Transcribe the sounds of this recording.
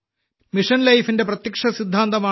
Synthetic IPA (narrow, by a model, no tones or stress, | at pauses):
miʂɐnlɐjfinde̞prɐt̪jɐkʂɐsid̪ʱːaːnd̪ɐmaː